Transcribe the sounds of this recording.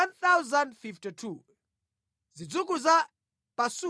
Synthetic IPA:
nθawzandfiftitʰu | zid͡zuk̬uza | pasu

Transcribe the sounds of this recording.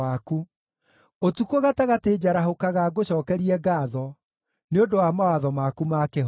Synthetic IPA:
aku | otukoɣataɣateːd͡ʑaɾaɦokaɣaɡoɕɔːkɛɾiɛɡaːðɔ | neondowamawaðɔmakumaːkeɦ

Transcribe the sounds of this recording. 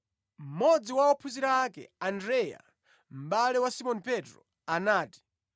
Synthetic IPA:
m̩mɔd͡ziwaɔpʰuziɾaːkɛ̰andɾɛja̰ | m̩ɓalɛwasimɔnipɛtɾɔ̰ | anaːti̥

